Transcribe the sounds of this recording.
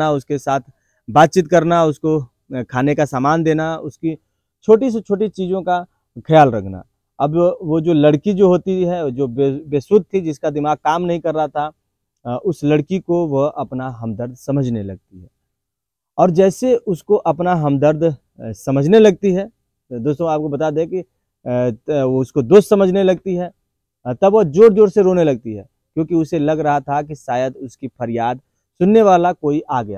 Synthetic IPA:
aʊskesaːt̪ʰ | baːt̪̚t͡ʃɪt̪̚kɐɾnaʊsko | kʰaːnekasaːmaːnd̪eːnaʊski | t͡ʃʰoːʈis̬et͡ʃʰoːʈit͡ʃiːzõka | kʰɐjaːlɾɐkʰna̰ | ɐbʋod͡ʒoːlɐɽkid͡ʒoːɦoːt̪iɦɛd͡ʒoːbebeːsʊt̪̚t̪ʰːid͡ʒɪskad̪ɪmaːɡ̚kaːmnɐɦĩkɐɾːəɦat̪ʰa | ʔʊslɐɽkikoʋoɐpnaɦɐmd̪əɾd̪sɐməd͡ʒʱnelɐɡ̚t̪iɦɛː | ɔːɾd͡ʒɛːseʔʊskoʔɐpnaɦɐ̃md̪əɾd̪ʱ | sɐməd͡ʒʱnelɐɡ̚t̪iɦɛː | d̪oːst̪õaːp̚kobɐt̪ad̪ẽki | ʊskod̪oːst̪sɐməd͡ʒʱnelɐɡ̚t̪iɦɛː | t̪ɐbʋɐd͡ʒoːɾd͡ʒoːɾseɾoːnelɐɡ̚t̪iɦɛː | kjõːkiʊselɐɡɾɐɦat̪ʰakiʃaːjəd̪ʊskifɐɾjaːd̪̚ | sʊnːeʋaːlakoːiʔaːɡɐjaː

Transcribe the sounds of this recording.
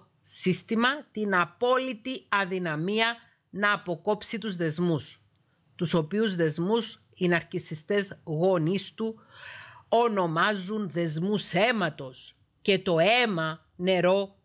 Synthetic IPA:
sist̪imɐt̪inɐpo̞lit̪iɐðinɐmiɐ | nɐːpo̞ko̞psit̪uzðe̞zmus | t̪uso̞piuzðe̞zmus | inɐɾcisist̪e̞zɣo̞nist̪u | o̞no̞mɐzunðe̞zmuse̞mɐt̪o̞s | ce̞t̪o̞e̞mɐ | ne̞ɾo̞

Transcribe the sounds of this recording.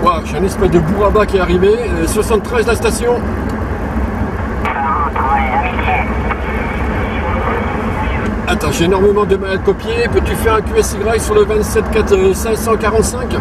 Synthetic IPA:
aʒɛỹnɛspasd̪əbuʁabakʲiɛaʁiveswasɑ̃t̪t̪ːχɛzlast̪asjɔ̃ | at̪ɑ̃ʒeːnɔʁmemɑ̃d̪əmalad̪̚kɔpjepøt̪yfɛʁɛ̃kʲyɛsiɡʁajsyʁləvɛ̃t̪sɛt̪kat̪sɛ̃sɑ̃kaʁɑ̃t̪sɛ̃kʲ

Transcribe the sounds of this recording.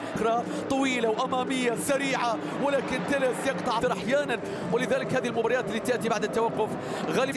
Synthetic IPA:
kɾˤɑ | t̪ˤɑwiːlawʔamaːmɪjːasaɾiːʕa | wɪlaːkɪnt̪ɪlɪsjɪqt̪ˤɑʕɨɾˤʔaħjaːnan | wɪlɪðaːlɪkhaːðhilmʊbɑɾˤɑjaːt̪ɪlːiːt̪ɪʔt̪ibaʕd̪at̪ːawaqːʊf | ɣaːli

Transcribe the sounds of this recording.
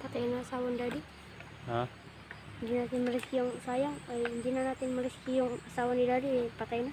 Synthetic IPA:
pat̪ajnasawɔndadi | a | d͡ʒinat̪ɪnməɾiskijɔŋsajaŋnd͡ʒinanat̪inməriskijɔŋsawɔndidadipat̪aina

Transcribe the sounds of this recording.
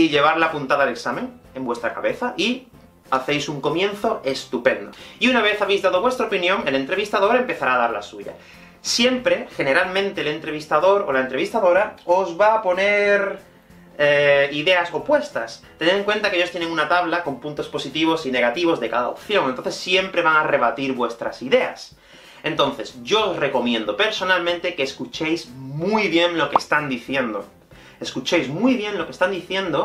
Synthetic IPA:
iʎe̞β̞aɾlapunt̪aðaleksamẽ̞ŋe̞mbwest̪ɾaka̰βe̞θaʔi | aθe̞jsuŋko̞mjẽ̞nθo̞e̞st̪upẽ̞nd̪o̰iunaβe̞θaβe̞jzðað̞o̞βwe̞st̪ɾaopinjoŋele̞nt̪ɾe̞β̞ist̪aðo̞ɾaempe̞θaɾaːðaɾla̰suʝa̰ | sje̞mpɾe̞xe̞ne̞ɾalmẽ̞nt̪e̞le̞nt̪ɾe̞β̞ist̪aðo̞ɾo̞̰laent̪ɾe̞β̞ist̪aðo̞ɾao̞zβapo̞ne̞ɾ | eiðe̞aso̞pwe̞st̪ast̪e̞neðeŋkwe̞nt̪akeejo̞st̪je̞neŋunat̪aβlako̞mpũnt̪o̞spo̞sit̪iβ̞o̞sine̞ɣat̪iβo̞zðe̞kaða̰o̰pθjo̞ŋent̪onθesːje̞mpɾe̞βaŋare̞β̞at̪iɾβwe̞st̪ɾa̰siðe̞a̰s | ẽ̞nt̪õ̞nθe̞sɟ͡ʝo̞ːsre̞ko̞mjẽ̞nd̪o̞pe̞ɾso̞nalmẽnt̪e̞keːskut͡ʃe̞jzmujβje̞ŋlo̞kest̪and̪iθje̞nd̪o̰ | eskut͡ʃe̞jzmujβ̞je̞nlo̞kest̪and̪iθjẽ̞nd̪o

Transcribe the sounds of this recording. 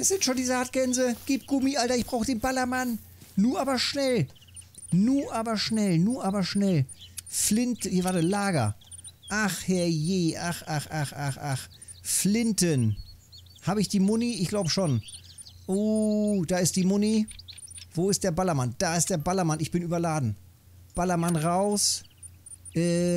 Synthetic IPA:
ɛsz̥ɪntʃoːndiːzəaɐt̚ɡ̥ɛnzəɡ̥iːp̚ɡ̥ʊmiʔaltɐɪçb̥ʁaʊxəd̥eːnbalɐmanː | uːɐʔaːbɐʃnɛl | nuːɐʔaːbɐʃnɛlnuːɐʔaːbɐʃnɛlflɪnthiːɐvaːtəlaːɡɐ̰ | ʔaχhɛɐjeːʔaxʔaxʔaxʔaχʔax | flɪntən | haːbəɪçd̥iːmʊniɪçɡ̥laʊbəʃoːnʔod̥aːɪst̚d̥iːmʊni | v̥oːɪstd̥eːɐbalɐmand̥aːɪst̚d̥eːɐbalɐmanɪçb̥ɪnyːbɐlaːdn̩ | b̥alɐmanʁaʊs | ʔɛː

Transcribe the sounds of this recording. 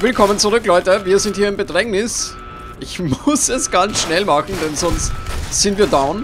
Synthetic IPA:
vɪlkʰɔmənt͡suʁʏklɔʏtəviːɐzɪnthiːɐɪmbədʁɛŋnɪs | ʔɪçmʊsɛsɡ̥ansʃnɛlmaxn̩dɛnzɔnstz̥ɪntviːɐdaʊn

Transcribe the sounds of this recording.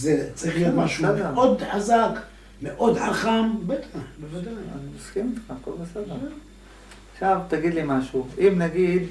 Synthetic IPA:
zet͡saʁiχlijot̪maʃused̪eod̪ħazak | meʔod̪ħaχambet̪ʰabevad̪aj̰noskimt̪akolbesed̪e | aχʃavt̪aɡid̪limaʃuimnaɡid̪

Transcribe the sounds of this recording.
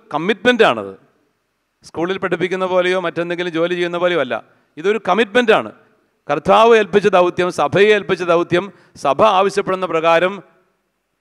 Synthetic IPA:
kɐmːiʈme̞nda̰ːɳɐ̰ðɨ̰ | skuːɭilpeʈʰːip̬ːikʲːunːɐpo̞ːlejo̞ːmɐtːe̞nd̪e̞ŋɡilumd͡ʑo̞ːlit͡ɕe̞jːunːɐpo̞ːlejoɐlːɐ̰ | iðo̞ɾukɐmiʈme̞ndaːɳɨ̰ | kɐrt̪ʰaːʋɐelpit͡ɕːɐðɐwt̪jɐmsɐbʱɐjeːlpit͡ɕːɐðɐwt̪jɐm | sɐbʱɐaːʋɐɕjɐpːe̞ɽunːɐprɐɣaːɾɐm

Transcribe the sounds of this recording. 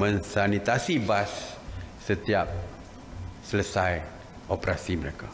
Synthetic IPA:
mə̃nsanit̪asibasː | ət̪iap̚ | sələsaj | opɾasiməɾeka

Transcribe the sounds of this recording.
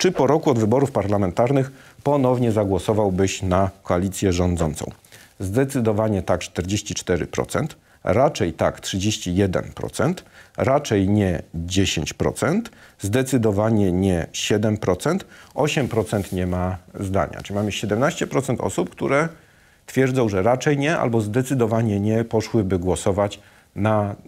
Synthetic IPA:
t͡ʂɘpɔɾɔkuɔd̪vɘbɔɾufpaɾlamɛnt̪aɾnɘxpɔnɔvɲɛzaɡwɔsɔvawbɘɕnakɔalʲit̪sʲjɛʐɔnd̪zɔnt̪sɔ̰̃w̃ | zd̪ɛt̪sɘd̪ɔvaɲɛt̪ak̚t͡ʂt̪ɛɾd͡ʑeɕt͡ɕit͡ʂt̪ɛɾɘ̰pɾɔ̰t̪sɛnt̪ | ɾat͡ʂɛjt̪aktʂɘd͡ʑeɕt͡ɕijɛd̪ɛ̰npɾɔ̰t̪sɛnt̪ɾat͡ʂɛjɲɛd͡ʑeɕeɲt͡ɕpɾɔ̰t̪sɛnt̪zd̪ɛt̪sɘd̪ɔvaɲɛɲɛɕɛd̪ɛmpɾɔt̪sɛnt̪ɔɕɛmpɾɔt̪sɛnt̪ɲɛmazd̪a̰ɲa̰tɨmamɘɕɛd̪ɛmnaɕt͡ɕɛpɾɔt̪sɛnt̪ɔ̰sup̚kt̪uɾɛ | t̪fʲjɛɾd̪zɔ̃w̃ʐɛɾat͡ʂɛjɲɛʔa̰lbɔzd̪ɛt̪sɘd̪ɔvaɲɛɲɛpɔʂwɘbɘɡwɔsɔvat͡ɕ | na

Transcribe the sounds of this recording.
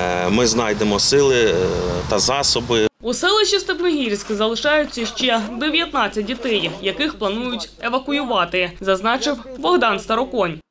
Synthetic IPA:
mɪznɑjd̪emɔsɪlˠɪt̪ɐzɑsɔbɪusɛlˠɪʃist̪ɐpnɪɦʲirʲsʲkzɐlˠɪʃɑjʊt͡sʲːɐʃt͡ʃɛd̪eʋʲjɐt̪nɑt͡sʲːɐt̚ʲdʲit̪ɛjjɐkɪxplˠɐnujʊtʲeʋɐkʊjʊʋɑt̪ɪzɐznɑt͡ʃɪwbɔɦd̪ɑnst̪ɐɾɔkɔnʲ

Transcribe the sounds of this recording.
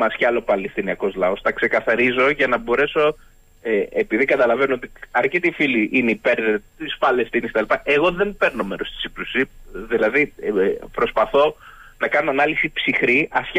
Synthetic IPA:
mɐsçɐlo̞pɐlist̪iniɐko̞zlɐo̞st̪ɐkse̞kɐθɐɾizo̞ʝɐnɐbo̞ɾe̞so̞ | eepiðikɐt̪ɐlɐve̞noot̪iɐɾcet̪ifiliʔineipe̞ɾðt̪isfɐle̞st̪inisit̪ɐlipɐʔe̞ɣo̞ðe̞mpe̞ɾno̞meɾo̞st̪i̥siplusiðilɐðipɾo̞spɐθo̞ | nɐkɐnoɐnɐlisipsixɾiɐsç

